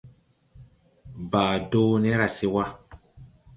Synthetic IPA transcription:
baː˨doː˦nɛ˦ɾa˨se˦wa˦

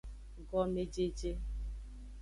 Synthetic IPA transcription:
ɡɔ˦me˦d͡ʒe˦d͡ʒe˦

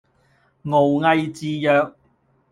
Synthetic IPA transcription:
ŋo˨˩wŋɐ˧jt͡siː˧jœː˨˧k̚

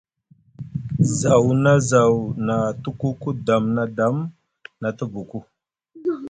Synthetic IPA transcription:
za˨wna˦za˨wna˨tu˦ku˦ku˦da˨mna˦da˨˦m | na˨tə˦bu˨ku˦

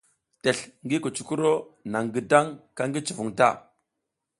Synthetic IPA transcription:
te˨ɬŋɡi˦ku˨t͡ʃu̥˦ku˦ɾo˦na˨ŋɡi˨da˦ŋka˦ŋɡi˦t͡ʃu˨vu˨ŋta̰˦˨

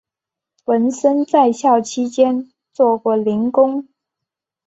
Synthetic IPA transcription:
wə˧˥nʂə˥nt͡sa˥˧ɪɕjɑ˥˩ʊt͡ɕʰi˥t͡ɕjɛ˥n | t͡swɔ˥˧kwɔ˥˩li˧˥nkʊ˥ŋ

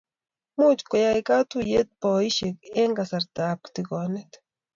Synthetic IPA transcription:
mut͡ʃko˨ja˨jka˦t̪uje˦t̪̚pɔ˨i˦ʃeke˦ŋɡasa˨ɾt̪aːp̚kt̪ikɔ˨ne˦t̪

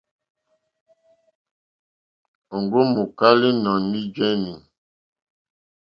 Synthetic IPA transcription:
o˨ŋɡo˦mu˨ka˦li˦nɔ˨mi˦d͡ʒɛ˦ni˨ŋ

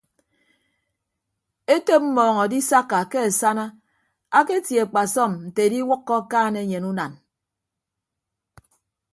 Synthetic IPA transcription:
e˦te˦p̚m̩˦mɔː˨ŋɔ˨di˦sa˦kːa˨ke˦a˨sa˦na˦ | a˦ke˦tje˨k͡pa˨sɔ˦˨mn̩˨te˨di˦wʊ˦kːɔ˦kaː˦ne˦ɲe˨nu˦na˨n

